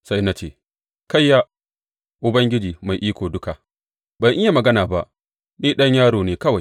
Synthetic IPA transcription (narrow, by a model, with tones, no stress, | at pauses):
sa˦jna˦t͡ʃeː˦˨ | ka˦jːaː˦ | ʔʊ˨bɐ˦ŋɡʲɪ˦d͡ʒiː˨ma˨jʔiː˦kʷoː˨dʊ˦ka˨ | bɐ˨ŋʔɪ˦ja˨mɐ˨ɡɐ˦naː˨ba˦ʔ | niː˦ɗɐ˦ɲjaː˦ɽoː˨neː˦kɐ˦wa˨j